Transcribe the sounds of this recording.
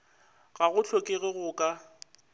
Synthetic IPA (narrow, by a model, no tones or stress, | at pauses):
ɣaɣʊt͡ɬʰɔkʼeɣɪɣʊkʼa